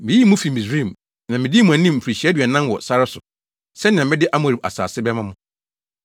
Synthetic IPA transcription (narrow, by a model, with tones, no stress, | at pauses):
mɪ̃˨˦ji˦mʊ̃˦fi˨mɪ̃˨sɾĩ˦˨m | nã˨mɪ̃˨dɪ˦mʊ̃˨ã˨nĩ˦m̩˨pʰɾi˨ɕi˨˦ɛ˦dɥɛ˨nã˦n˦wɔ˨sa˦ɾɪ˦sʊ˨ | sɛ˦nɪ̃˨ã˨mɪ̃˦dɪ˦ʔa˦mʊ̃˨ɾi˨ba˨sa̰ː˨sɪ˦bɛ˦mã˦mʊ̃˦